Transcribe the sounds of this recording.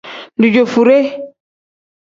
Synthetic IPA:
du˨d͡ʒo˨fu˨ɾe˦

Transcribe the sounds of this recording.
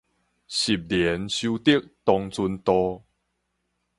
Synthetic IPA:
ɕi˨˩p̚ljɛ˨˦nɕu˦t̪i˥ək̚t̪ɔ˧ŋt͡su˧nt̪ɔ˧

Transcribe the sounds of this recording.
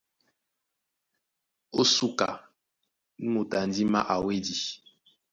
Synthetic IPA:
o˦su˦ka̰˨˦ | mu˨ta˨n˦di˦ma̰˦ʔa˨we˦di˨

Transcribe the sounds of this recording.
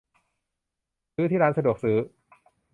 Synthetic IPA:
sɯː˦˥t̪ʰiː˥˩ɾaː˦˥nsa˧du˨˩ək̚sɯː˦˥

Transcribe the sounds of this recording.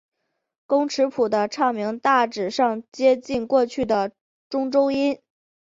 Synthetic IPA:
kʊ˥ŋʈ͡ʂʰɻ̩˧˥pʰu˨˩d̪ə˦ʈ͡ʂʰɑ˥˩ŋmi˧˥ŋt̪a˥˩ʈ͡ʂɻ̩˨˩ʂɑ˥˩ŋt͡ɕjɛ˥t͡ɕi˥˧nkwɔ˥˧t͡ɕʰy˥˩d̪ə˩ | ʈ͡ʂʊ˥ŋʈ͡ʂo˥ʊi˥n

